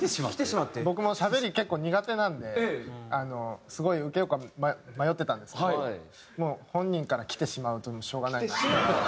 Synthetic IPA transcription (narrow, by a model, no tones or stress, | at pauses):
eɕimat̪ːebo̞kɯ̟mo̞ɕabe̞ɾʲike̞kːo̞ːɲ̟iɡat̪e̞nãnd̪e̞ano̞sɨɡo̞iɯ̟ke̞jokommajo̞t̪ːe̞t̪ãnd̪e̞sɨn | moːhõ̞ɲ̟ːĩŋkaɾakʲi̥t̪e̞ɕimaɯ̟t̪omoɕo̞ːɡanaie